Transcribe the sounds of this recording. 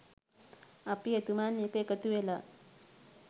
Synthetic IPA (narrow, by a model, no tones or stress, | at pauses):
apiet̪umanikəjkət̪uʋela